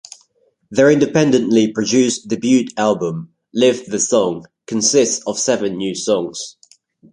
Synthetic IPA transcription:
ðəɹɪ̃ndɪpɛ̃ndə̃nʔlipʰɹ̥əd͡ʒʉˑsdɪbjʉˑtalˠbə̃m | lɪvðəsɒ̃ŋ | kʰə̃nsɪstsəv̥sɛvə̃nːjʉːsɒ̃ŋz̥

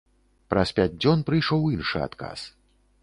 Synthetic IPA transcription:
pɾɐspʲad͡zʲd͡zʲɔnpɾɨjʂɔwinʂɨ̰a̰t̪ka̰s

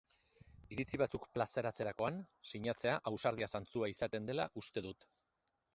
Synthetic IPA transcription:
iɾit͡siβ̞at͡sukplase̞ɾat͡se̞ɾako̞ansiɲat͡se̞aʔawsaɾð̞iasant͡suaisat̪e̞nd̪e̞laʔust̪e̞ðut̪

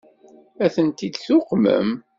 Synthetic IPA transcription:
æθənt̪id̪θʊqmə̰m

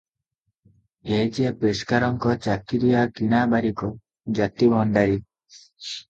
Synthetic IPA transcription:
ed͡ʒepɾeskaɾɔŋkɔt͡ʃakid̪ujakiɽ̃abaɾikɔ | d͡ʒat̪ibʱɔnɖaɾi

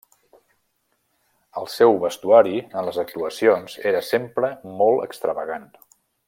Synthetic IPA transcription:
əlˠsɛwβəst̪uaɾiənləzək̚t̪uəsionz̥eɾəsempɾəmɔlˠə̰kst̪ɾəβəɣan

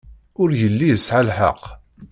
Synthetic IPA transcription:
ʊɾjəlːijəsʕalħə̰q

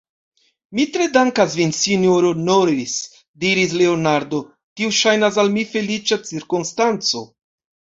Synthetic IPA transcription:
mitɾe̞daŋkas̬vinsinjoɾonoɾis | diɾis̬le̞onaɾdo̞ | kiuʃajnas̬almife̞lit͡ʃat͡siɾkonstant͡so̞̰

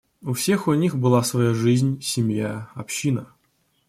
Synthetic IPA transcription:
ʊfsʲe̞xʊnʲixbɨlˠasvɐjaʐɨzʲnʲsʲɪmjaɐpɕːinə

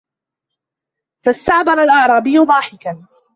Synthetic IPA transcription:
fast̪aʕbɑɾˤalʔɑʕɾˤɑːbɪjːʊd̪ˤɑːħɪkan

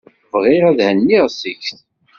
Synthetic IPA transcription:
vʁɪɾæðhənːiʁsiçθ

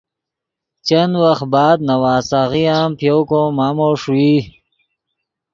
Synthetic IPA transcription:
t͡ɕanwax̚bɑːd̪̚nawaːsaɣiaːmpjowkomaːmoʂwi

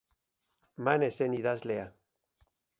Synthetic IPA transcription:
maneseniðaslea

